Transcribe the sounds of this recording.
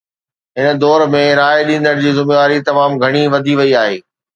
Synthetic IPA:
ɦɪnə̆d̪ɔːɾmẽɾaːeɗĩːn̆d̪əɽ̃d͡ʑiːzɪmeʋaːɾit̪ɐmaːmɡʱɐɽ̃iʋɐd̪ʱiʋɐiaːɦeː

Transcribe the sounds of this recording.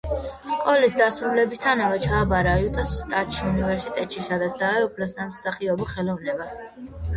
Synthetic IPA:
skʼɔlisd̪asɾulɛbist̪ʰanavɛt͡ʃʰaːbaɾaiut̪ʼɔsːt̪ʼat̪ʼʃiunivɛɾsit̪ʼɛt̪ʼʃisad̪at̪sʰd̪aɛupʰlasamsaχiɔbɔχɛlɔvnɛbas

